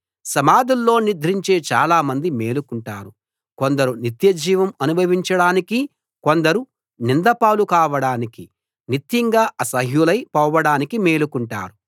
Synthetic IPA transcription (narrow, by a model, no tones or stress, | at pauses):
sɐmaːd̪ulːo̞ːnid̪ʱɾiɲt͡ʃe̞ːt͡ʃa̰ːlaːmɐnd̪imeːlukuɳʈaːɾu | kond̪ɐɾunit̪jɐd͡ʒiːʋɐmɐnubʱɐʋiɲt͡ʃɐɽaːniki | ko̞nd̪ɐɾu | nind̪ɐpaːlukaːʋɐɽaːniki | nit̪jiŋɡaːʔɐsɐɦjulɐjpɐwʋɐɽaːnikime̞ːlukuɳʈa̰ːɾu